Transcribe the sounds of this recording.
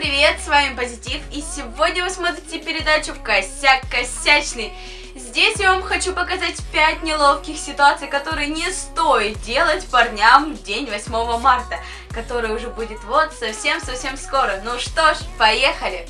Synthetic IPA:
pɾʲɪvʲe̞t̪svamʲɪpəzʲɪtʲifisʲɪvo̞dʲnʲəvɨsmot̪̬ɾʲɪtʲɪpʲɪɾʲɪd̪at͡ɕʊkɐsʲːaɐsʲːæt͡ɕnɨj | zʲdʲesʲjavamxɐt͡ɕupəkɐzatʲpʲæt̚ʲnʲɪlˠofkʲɪxsʲɪt̪ʊat̪sɨjkɐt̪o̞ɾɨjənʲɪst̪ojɪt̪̚dʲe̞lˠətʲpɐrnʲamvdʲenʲvɐsʲmo̞vəmart̪ə | kɐt̪o̞ɾɨjəʊʐɛbudʲɪt̪vo̞t̪sɐfsʲe̞msɐfsʲe̞msko̞ɾənuʂt̪oʂpɐjexəlʲɪ

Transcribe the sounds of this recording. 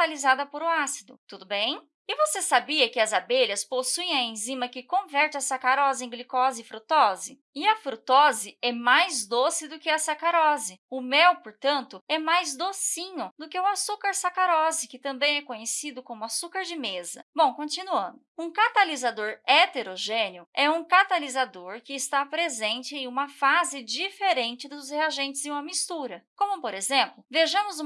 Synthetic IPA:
alizad̪ɐpoɾʊasid̪ʊt̪ud̪ʊbẽj̃ | ɪvosesabiɐkɪɐzabeʎɐsposuẽj̃ɐẽzĩmɐkɪkõvɛɾt͡ʃɪɐsakaɾɔzɪẽɡlikɔzɪɪfɾut̪ɔzɪ | ɪɐfɾut̪ɔzɪɛmajzd̪osɪd̪ʊkɪɐsakaɾɔzɪʊmɛwpoɾt̪ɐ̃nt̪ʊɛmajzd̪osĩɲʊd̪ʊkɪʊasukaɾsakaɾɔzɪkɪt̪ɐ̃mbẽj̃ɛkõɲessid̪ʊkõmʊasukaɾd͡ʒɪmezɐ̰bõw̃kõnt͡ʃinuɐ̃nd̪ʊũkat̪alizad̪oɾet̪eɾoʒẽnjʊɛũkat̪alizad̪oɾkɪːst̪apɾezẽnt͡ʃɪẽj̃ũmɐfazɪd͡ʒifeɾẽnt͡ʃɪd̪ʊzheaʒẽnt͡ʃɪzɪ̃ũmɐmist̪uɾɐkõmʊpoɾezẽmplʊveʒɐ̃mʊzũ

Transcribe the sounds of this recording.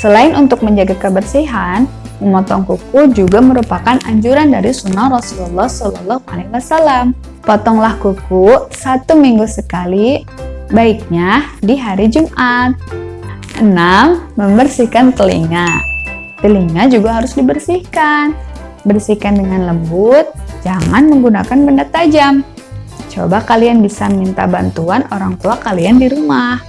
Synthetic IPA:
səlaɪnʔunt̪ʊk̚məɲd͡ʒaɡakəbərsiɦan | məmɔt̪ɔŋkukud͡ʒuɡaməɾupakana̰ɲd͡ʒuɾandaɾisunːahrɔsululːɑhsɔlɔlːɔha̰lewasalam | pɔt̪ɔŋlahkukusat̪umiŋɡusəkali | baik̚ɲadiɦaɾid͡ʒumʔat̪̚ | ʔənamːəmbərsihkant̪əlḭŋa | t̪əliŋad͡ʒuɡaɦaɾʊsdibərsihkan | bərsihkandəŋanləmbʊt̪̚d͡ʒaŋanməŋɡunakanbəndat̪ad͡ʒamt͡ʃo̰bakalianbisammint̪a̰bant̪uanoɾaŋt̪uakaliandiɾumah

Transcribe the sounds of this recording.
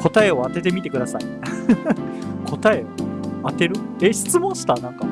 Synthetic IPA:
kʰo̞t̪ae̞o̞at̪e̞t̪e̞mʲit̪e̞kɯ̟d̪asa̰i | kʰo̞t̪ae̞oat̪e̞ɾɯ̟eɕi̥t͡sɨmõ̞ɕi̥t̪anãŋka

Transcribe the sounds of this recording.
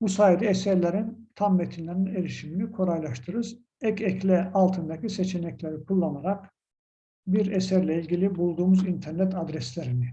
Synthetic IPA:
busaːid̪ɛɛsæɾlʲeɾint̪ʰamːet̪ʰinlʲeɾinelʲiʃiminikʰo̞ɾajlˠaʃt̪ʰɯɾɯz | ɛcɛclʲɛalˠt̪ʰɯnd̪acʰiset͡ʃʰe̞nɛclʲeɾikʰulˠːanaɾak | biɾesæɾlʲɛilʲɟʲilʲibulˠd̪uːmuzint̪ʰæɾnɛt̪ad̪ɾɛslʲeɾini

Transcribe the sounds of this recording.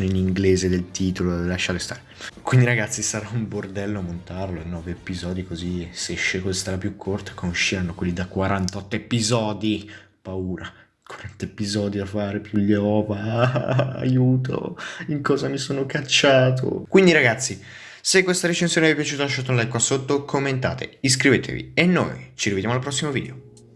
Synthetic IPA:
niniŋɡleːzed̪elt̪iːt̪ololaʃːaɾlest̪aːɾekwind̪iɾaɡat̪sːisaɾaumbord̪ɛlːoamont̪arloenːɔːveepizɔːd̪ikoziseʃːekozist̪alapjukʰːort̪ḁkonʃːiɾanːokwelːid̪akwaɾant̪ɔt̪ːoepizɔːd̪i | pauːɾa | kwaɾant̪oepizɔːd̪iafːaːɾepjuʎːeɔːva̰ː | juːt̪o̰iŋkɔːzamisoːnokat͡ʃːaːt̪ʰo̰kwind̪iɾaɡat̪sːi | sekːwest̪aɾet͡ʃensjoːneɛvepjat͡ʃuːt̪alaʃɔt̪ːonlajkːwasot̪ːokʰomːent̪a̰ːt̪ḛis̬kɾiveːt̪ʰḛvḭenːo̰jt͡ʃiɾived̪jamoalpɾɔsːimovḭːd̪eo

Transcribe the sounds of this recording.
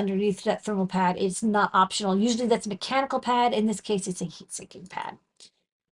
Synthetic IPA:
ʌ̃ndə˞niθðɨt̪θɜ̃˞ml̩ˠpʰæɾɪtsnəɾʔɑpʃnl̩ˠjʉʒl̩ˠiðætsmɨkʰænəkl̩ˠpʰæɾɨ̃nðɪskʰeɪsɨtsɨhitsɪ̃kɪ̃ŋpʰæ̰d̥̚

